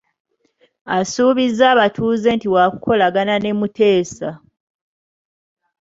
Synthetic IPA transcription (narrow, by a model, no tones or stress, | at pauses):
asuːβizaːβatʰuːze̞ːntiwaːkukʰo̞laɡanane̞mutʰe̞ːsa